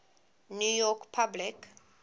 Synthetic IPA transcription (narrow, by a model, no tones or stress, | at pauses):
nujɔkpʰablik